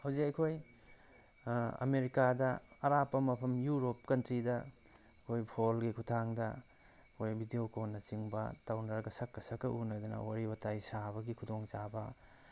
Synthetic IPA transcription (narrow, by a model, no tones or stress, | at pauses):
hawzikɐjkʰoj | ɐ̰meɾikadɐɐɾapːɐmɐpʰɐmjuɾop̚kɐntɾidɐ | ɐkʰojpʰolɡikʰutʰaŋdɐ | kʰojbʱidijokonːɐt͡ʃiŋbɐ̰tawnɐɾɐɡɐsɐkːɐsɐkːɐʔunɐd̪ɐnɐ̰waɾibɐtajsabɐɡikʰudoŋt͡ʃabɐ